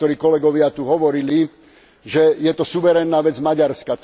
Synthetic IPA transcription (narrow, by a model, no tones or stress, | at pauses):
t̪ɔɾiːkɔlɛɡɔʋɪat̪uɦɔʋɔɾili | ʒɛjɛt̪ɔsuʋɛɾɛnːaːʋɛd͡zmaɟaɾskat̪